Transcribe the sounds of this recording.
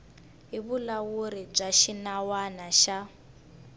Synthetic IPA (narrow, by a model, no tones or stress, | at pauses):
ɦiβulawuɾib͡ʐaʃinawanaʃa